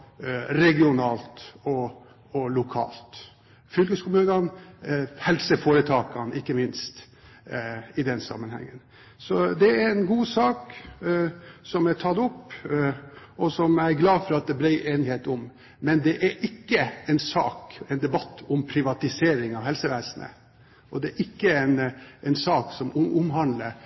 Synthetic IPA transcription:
ɾɛɡɪʊnɑːlt̪ɔ | ɔlʊkʰɑ̰ːlt̪ | fʏlkəskʊmʉːnɑn | hɛlsəfoːɾət̪ʰɑːkɑnɪkːəmɪnst̪ | ɪd̪ɛnsɑ̰mːənhɛ̰ŋːən | sɔd̪ɛæɾɛnɡuːsɑːk | sɔmæʈʰɑt̪ːʊpː | ɔsɔmæɪɡlɑːfɔɾɑt̪̚d̪ɛbɾæɪʔeːnɪheːt̪ɔm | mɛnd̪ɛʔæɾʔɪkːəɛɪnsɑ̰ːkɛɪnd̪ɛbɑt̪ːɔmpʰɾɪʋɑt̪ɪseːɾɪŋɑʋhɛlsəʋæːsənə̰ | ʔɔd̪ɛɾʔɪkːəɛnɛɪnsɑːksɔmʊmɦɑnləɾ

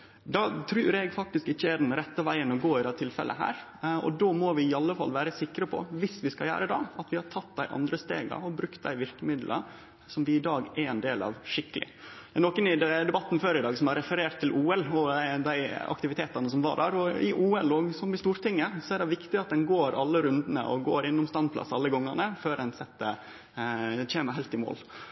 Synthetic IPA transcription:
d̪ɑːt̪ʰɾʉːɾɛɡfɑk̚t̪ɪskɪçːəæɖɛnɾɛt̪ːəʋæɪənɔɡoːɪd̪ɛt̪ʰɪlfɛ̰lʔə̰ɦæ̰ːɾɔ̰d̪omɔʋɪɪɑlːəfɑ̰lːʋæːɾəsɪkːɾɑpʰɔ̰ʋɪsʋɪskɑjæ̰ːɾəd̪ɑ̰ɑt̪ʋɪhɑʈʰɑt̪ːd̪æɪʔɑ̰nd̪ɾəst̪ḛːɡɑ̰ɔbɾʉkt̪̚d̪æɪʋɪɾkəmɪd̪lʔə̰ | sɔmʋɪɪd̪ɑːɡæɾɛnd̪eːlɑ̰ʋʂɪkːəlʔɪ̰ | d̪æɛnɔkːənɪd̪ɛd̪ɛbɑt̪ːn̩føːɾɪd̪ɑːɡsɔmɑɾɛfəɾeːʈt̪ʰːɪlʔuːɛlɔd̪æɪɑ̰kt̪ɪʋɪt̪ʰeːt̪ɑnəsɔmʋɑ̰ɖæːɾɔɪʔuːɛloːɡsɔmɪst̪uːɾt̪ɪŋːəsɔæɖɛʋɪkt̪ɪɑt̪̚d̪ɛnɡoːɾɑlːəɾʉnd̪ənə̰ʔɔ̰ɡo̰ːɾɪnːʊmst̪ɑnpʰlɑ̰sɑlːəɡɔŋːənəføːɾdɛnsɛt̪ːə | t͡ɕeːməɾɦæɪlt̪ɪmo̰ːl

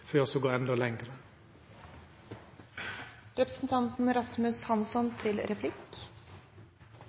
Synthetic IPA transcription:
føːɔsɔɡoːɛnd̪ɔlɛŋɡɾə | ɾɛpɾəsn̩t̪ʰɑnt̪n̩ɾɑsmʉshɑnsɔnt̪ʰɪlɾɛpʰlɪk

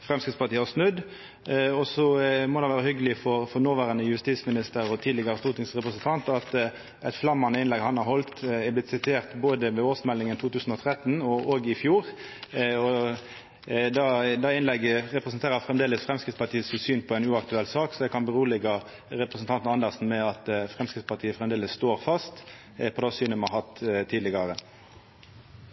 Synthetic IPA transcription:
fʁɛmskɪt̪spɑt̪iːɑsnʉd̪ | ɔsɔmɔd̪ɑnʋæːɾəhʏɡəlɪfɔʁfɔɾnoːʋæːɾɑnəjʉst̪iːsmɪnɪst̪əɾɔt̪ʰiːlɪɡəɾəst̪uːt̪ɪŋsʁɛpɾəsənt̪ʰɑnt̪ɑt̪ | ɛt̪flɑmːɑnəɪnlɛɡhɑnhɑɾhɔlt̪ɪblɪt̪sɪt̪ʰeːʁt̪boːd̪əʋɛoːsmɛlːɪŋənt̪ʰuːt̪ʰʉːsn̩ɔt̪ʰɾɛt̪ːnɔʔoːɡəɪfjuːʁ | ɔ | d̪ɑd̪ɑɪnlɛɡːəʁɛpʁəsənt̪ʰeːʁəfʁɛmd̪eːləsfʁɛmskɪt̪spɑt̪ʰiːəsɪsyːnpʰɔæɪnʉːɑkt̪ʉɛlsɑːksɔd̪ɛkʰɑnbəʁuːlɛɡɑ | ʁɛpɾəsn̩t̪ɑnt̪nɑnd̪əʁsn̩mɛɑt̪fʁɛmskɪt̪spɑʁt̪ʰiːəfʁɛmd̪eːləsst̪oːʁfɑst̪ | pʰɔd̪ɑsyːnəmɑhɑt̪t̪ʰiːd̪lɪɡɑʁə

